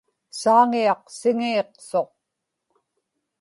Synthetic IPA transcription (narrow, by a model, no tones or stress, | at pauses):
saːŋiɑqsɪŋiːqso̞q̚